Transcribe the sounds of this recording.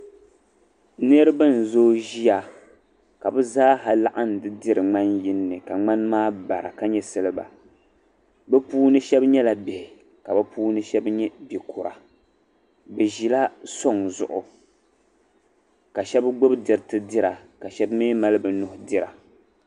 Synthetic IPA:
nɨ˦ɾɨ˦bɨ˦n̩˨zoː˦ʒi˦ja˨ | ka˨bɨ˦zaː˦ɦa˨la˦ʔa˦n˨dɨ˦dɪ˦ɾɨ˨ŋ͡ma˦nji˦nːɨ˨ka˨ŋ͡ma˦nmaː˦ba˨ɾa̰˨ka˦ɲɛ˦sɨ˦lɨ˦ba̰˨ | bɛ˦puː˦nɨ˦ʃɛ˦bɲɛ˦la˨bɛ˨hɪ˨ | ka˨bɨ˦puː˦nɨ˦ʃɛ˦bɲɛ˦bi˨kʊ˨ɾa˨ | bɛ˨ʒi˨la˦so˦ŋzʊ̰˨ʔʊ˨ | ka˨ʃɛ˦bɡ͡bʊ˦bdɪ˨ɾtɨ˦dɪ˦ɾa˨ka˨ʃɛ˦bmeː˦ma˦lɨ˦bɨ˨nʊ˨˦hʊ˦dɪ˦ɾa˨

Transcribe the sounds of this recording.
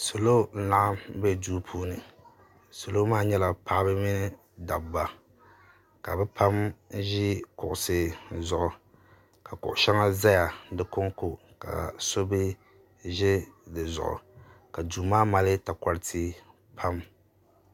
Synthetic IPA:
so˨lo˦na˨ʔa˦m˦bɛ˦duː˦pʰuː˦nɨ˨ | so˨lo˦maː˦ɲɛ˦la˨pa˦ʔbɨ˦mɪ˦nɪ˦ | da˨bba˨ | ka˨bɛ˦pʰa˦mʒi˦kʊ˨ʔʊ˨sɨ˨zʊ˨ʔʊ˨ | ka˨kʊ̰˨ʔʊ˨ʃa˦ŋa˦za˦ja˨dɨ˦ko˦ŋko˨ | ka̰˨so˦bɪ˦ | ʒɛ˦dɨ˨zʊ̰˨ʔʊ̰˨ | ka˨duː˨maː˦ma˨lɪ˦ta˨ka˨ɾɪ˦tʰi˦ | pʰa˦m

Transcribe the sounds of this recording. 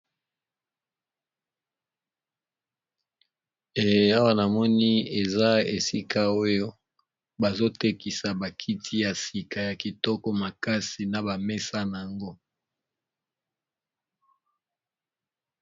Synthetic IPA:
e˨je˦a˦wa˦na˨mɔ˦ni˦e˨za˦e˨si˦kʰa˦o˦jo˦ | ba˨zo˦te˦ki˨sa˨ba˨kʰi˦tʰi˦ja˨si˨ka˨ja˨ki˨tɔ˦kɔ˦ma˨ka˦si˨na˨ba˨me˦sa˦na˨ŋɡo˦

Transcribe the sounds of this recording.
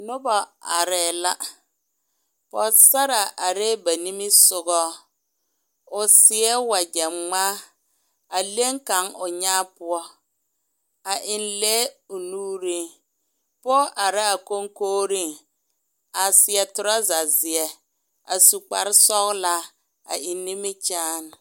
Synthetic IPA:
nʊ˦bɔ˨a̰˨ɾɛ˨la˦ | pɔ˨sa˦ɾa˨ʔa˨ɾɛ˦ba˨ni˦mi˦sʊ˨ɣɔ˦ | ʊ˨sɪ˨˦ɛ˦wa˨d͡ʒɛ˨mŋ͡maː˦ | a˨le˦ŋka˨˦ŋʊ˨ɲaː˦pʊ˦ɔ˦ | a˨ʔɪ˨nlɛ˦ʊ˨nuː˦ɾi˦ŋ | pɔ˦ʔa˨ɾɪ˦a˨ko˦ŋkoː˦ɾi˦ŋ | a˨sɪ˨ɛ˨tʊ˨ɾa˦za˨zɪ˨ɛ˨ | a̰˨su˨k͡pa˨ɾɪ˦sɔ˦ɣla˦ | a̰˨ɪ˨nːi˦mɪ˦t͡ʃaː˦n˨

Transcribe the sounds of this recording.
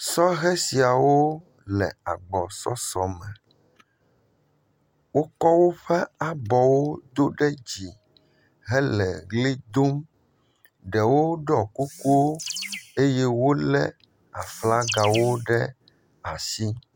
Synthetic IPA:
sɔ˦ɣɛ˦si˨a˨wo˦ | lɛ̰˨a˨ɡ͡bɔ˨sɔ̰˦sɔ˨mɛ˨ | wo˦kɔ˦wo˦ɸɛ˦a˨bɔ˨wo˦d̪o˦ɖɛ˦d͡ʑi˨ | ɦɛ˦lɛ˨ɡli˦d̪o˦m | ɖɛ˨wo˦ɖɔ˨ku˦ko˦e˦jɛ˦wo˦lɛ̰˦ | a̰˨fla˦ɡa˨wo˦ɖɛ˦ | a˨si˦

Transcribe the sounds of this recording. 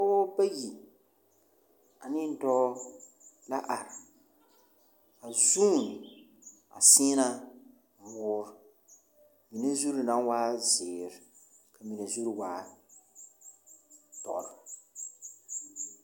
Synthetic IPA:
o˦ba˦ji˨ | a˨nɪ˦n˨tɔː˦ | la˦ʔa˨ɾɪ˨ | a˨zuː˦˨nɪ˨ | a̰˨sɪ˦na˦ | mʊː˨˦ɾ | mi˨na˦zu˦ɾi˨na˦waː˦zɪː˨ɾɪ˨ | kʰa˨mi˨na˨zu˦ɾi˨waː˦ | tɔ̰˨ɾ

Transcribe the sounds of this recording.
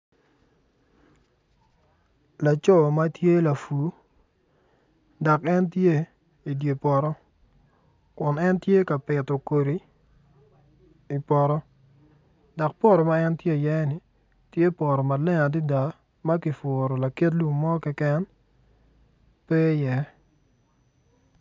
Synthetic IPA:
la˨t͡ʃɔ˦˨ma˦tje˦la˨fu˨ | da˨kɛ˦ntje˦ | i˨dje˨pɔ˨ɾɔ˦ | kʊ˨nɛ˦ntje˦ka˨pɪ˨tɔ˨ko˨ɾi˨ | i˨pɔ˨ɾɔ˦ | da˨k̚pɔ˦ɾɔ˨ma˦ɛ˦ntje˦˨jɛ˦nɪ˨ | tje˦pɔ˨ɾɔ˨ma˨lɛ˦ŋa˨di˦da˨˦ | ma˦kɪ˨fʊ˨ɾɔ˨la˨ke˦t̬lu˨ŋmɔ˦kɛ˦kɛ˦n | pɛ˦jɛ˦

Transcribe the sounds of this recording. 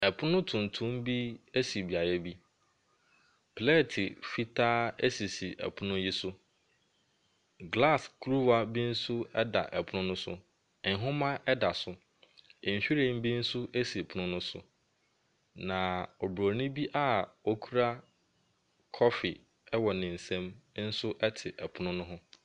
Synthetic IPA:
ɛ˨pʰʊ˦nʊ̃˦tʰʊ̃˨n˨tʰʊ̃˦m˦bi˦e˦si˨bi˨a˨jɛ˦bi˦ | pʰlɛ˦˨tʰɪ˨fi˦tʰaː˦e˦si˨si˨ʔɛ̰˨pʰʊ˦nʊ̃˦ji˦sʊ˦ | ɡla˦˨skʰɾu˦wa˨bi˦n̩˦sʊ˦ɛ˦da̰˨ʔɛ˨pʰʊ˨˦nʊ̃˦nʊ̃˦sʊ̰˦˨ | ɦʊ̃˦mã˦ʔɛ˦da˨sʊ˨ | ɪ̃˨ɕᶣi˦ɾẽ˦˨m˦bi˦n̩˦sʊ˦ʔe˦si˨pʰʊ˨˦nʊ̃˦nʊ̃˦sʊ˦ | nã˨ɔ˨bɾo˨nʊ̃˦bi˦ʔa˦o˦kʰu˦ɾa˦ | kʰɔ˦fi˨ | ɛ˦wɔ˨nɪ̃˨n̩˨sɛ̃˦m˦n̩˦sʊ˦ʔɛ˦tʰɪ˨ʔɛ˨pʰʊ˦nʊ̃˦nʊ̃˦ɦʊ̃˦

